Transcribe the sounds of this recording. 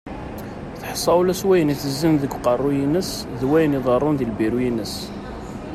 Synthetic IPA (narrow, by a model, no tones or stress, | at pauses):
θħsˤːɑwulæswæjəniθəzːənðəɡqɑrˤːujinəs | ðwæjəniðˤərˤːʊnðilbiɾujinəs